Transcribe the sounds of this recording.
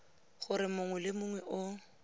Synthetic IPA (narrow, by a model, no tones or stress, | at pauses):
χʊɾɪmʊŋwɛlɪmʊŋwɛʔʊ